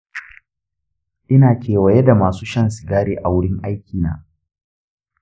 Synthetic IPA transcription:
ʔɪ˦naː˨kʲʰeː˨wɐ˨jɛ˦da˨maː˨suː˦ʃɐ˦nsɪ˨ɡaː˦ɽeː˦ʔa˨wʊ˦ɽɪ˦ŋʔa˦jkʲiː˨na̰ː˦

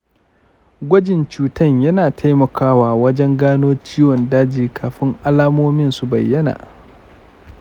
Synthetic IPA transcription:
ɡʷɐ˦d͡ʒɪ˨nt͡ʃuː˦tɐ˦˨ɲjɐ˦naː˨tʰa˦jmɐ˨kʰaː˦waː˨wɐ˦d͡ʒɛ˦ŋɡaː˦noː˦t͡ʃiː˦wɔ˨ndaː˦d͡ʒiː˨kʰaː˨ɸɪ˦ŋʔa˦laː˦moː˦mɪ˦nsu˨bɐ̰˨jːɐ˦na̰ː˨ʔ

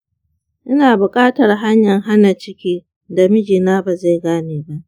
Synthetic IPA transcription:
ʔɪ˦naː˨bʊ˨kʼaː˦tɐ˨rɦa˦ɲjɐ˨ŋɦa˦na˨t͡ʃɪ˦kʲiː˦ | da˨mɪ˦d͡ʒiː˨naː˦ba˨za˦˨jɡaː˦neː˨ba˦ʔ

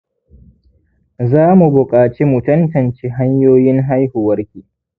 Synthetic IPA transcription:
zaː˦mu˨bʊ˨kʼaː˨t͡ʃeː˦mʊ˨tʊ˦ntɐ˨nt͡ʃeː˦ɦa˦ɲjoː˦jɪ˦ŋɦa˦jhu˨wɐ˦rkʲiː˨

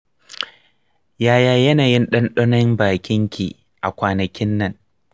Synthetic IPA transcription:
jaː˦jaː˦jɐ˦naː˨jɪ˦nɗɐ˦nɗɔ˦nɐ˦mbaː˨kʲɪ˦ŋkʲḭ˨ | ʔa̰˨kʷaː˨nɐ˨kʲɪ˦nːɐ˦˨ŋ

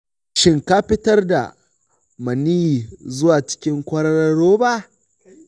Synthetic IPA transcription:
ʃɪ˦ŋka˦ɸɪ˦tɐ˦rda̰˨ | mɐ˨niː˦˨zʊ˦waː˨t͡ʃɪ̥˦kʲɪ˦ŋkʷɐ˦ɾɐ˦ɽɐ˦ɽoː˦ba˦ʔ

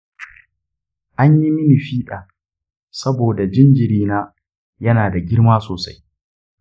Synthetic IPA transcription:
ʔa˦ɲji˦mɪ˦ni˨ɸiː˦ɗaː˨ | sɐ˦boː˨da˨d͡ʒɪ˦nd͡ʒɪ˨ɾiː˦naː˦ | jɐ˦naː˨da˨ɡʲɪ˦ɽmaː˦soː˨sa˦j

